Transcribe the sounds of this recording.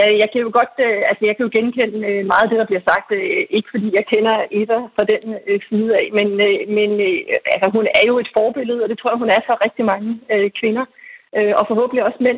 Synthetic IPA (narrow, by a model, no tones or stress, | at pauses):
æjɑ̈ɪkʰæjo̝ɡ̥ɒ̽d̥øælsəjɑ̈ɪkʰæjo̝ɡ̥enkʰen̰əømɑ̈ːð̩ˠd̥e̝ɾ̥ɑ̈b̥liɐsɑ̈ɡ̥̚d̥e̝ɡ̥əfɒ̽d̥ḭːjɑ̈ɪkʰenɐe̝dɐfʁɑ̈d̥ensiːð̩ˠɛ̰menmenælsɐɦunæɐjo̝e̝d̥fɒːb̥e̝lð̩ˠɒ̽d̥e̝t͡sʰʁo̝ɐ̰hunæɐsɒ̽ʁɛɡ̥̚d̥imɑ̈ŋəøkʰʋe̝nɐøʔɒ̽fɒ̽ɦɔ̰b̥n̩liɒ̽smen̰